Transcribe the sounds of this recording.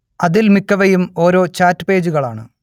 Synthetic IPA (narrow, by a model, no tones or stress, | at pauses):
ɐðilmikːɐʋɐjumo̞ːɾo̞ːt͡ɕaːtːɨpe̞ːd͡ʑuɣɐɭaːɳɨ̰